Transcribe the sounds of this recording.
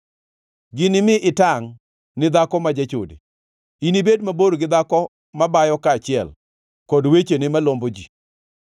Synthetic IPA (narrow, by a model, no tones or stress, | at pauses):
ɡɪnɪmɪʔɪtaŋ | nɪd̪akɔmad͡ʒat͡ʃo̰dḛ | inibedmaboɾɡɪd̪akɔ | mabajɔkaːt͡ʃɪɛl | kɔdwet͡ʃenɪmalombod͡ʒi